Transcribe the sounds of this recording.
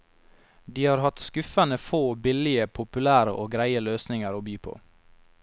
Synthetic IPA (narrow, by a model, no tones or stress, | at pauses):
d̪iːhɑːɾhɑt̪skʉfənəfoːbɪlɪəpʰʊpʉlæːɾə̰ʔoːɡɾæɪəløːsnɪŋəɾoːbyːpʰo̰ː